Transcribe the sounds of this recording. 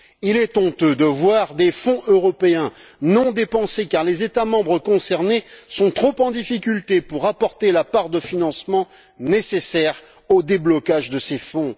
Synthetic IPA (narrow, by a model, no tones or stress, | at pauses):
ilɛt̪ɔ̃t̪ød̪əvwaʁd̪efɔ̃ʔøʁɔpeɛ̃nɔ̃d̪epɑ̃sekaʁlezet̪amɑ̃bʁəkɔ̃sɛʁnesɔ̃t̪χopɑ̃d̪ifikʲylt̪epuʁapɔʁt̪elapaʁd̪əfinɑ̃smɑ̃ | nesesɛʁ | od̪eblɔkaʒd̪əsefɔ̃